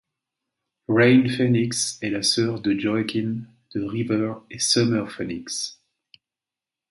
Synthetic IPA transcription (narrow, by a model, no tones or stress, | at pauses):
ʁɛjnfɛniksɛlasœʁd̪əd͡ʒɔakʲin | d̪̥əʁivəʁesəmɛʁfɛniks